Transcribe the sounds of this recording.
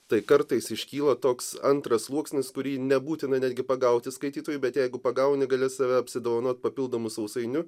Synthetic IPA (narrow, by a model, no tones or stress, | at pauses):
t̪ɐɪkɐɾt̪ɐɪsɪʃʲkʲiːlˠɐt̪oːksɐnt̪ɾɐslˠuɔksʲnʲɪskʊɾʲiːnʲɛbuːt̪ʲɪnɐnʲæːd̪ɡʲɪpɐɡɐʊt̪ʲɪskɐɪt̪ʲiːt̪oːjuːbʲɛt̪jɛɪɡʊpɐɡɐʊnʲɪɡɐlʲɪsɑʋʲɛɐpʲsʲɪd̪oːʋɐnoːt̪̚ʲpɐpʲɪlˠd̪oːmʊsɐʊsɐɪnʲʊ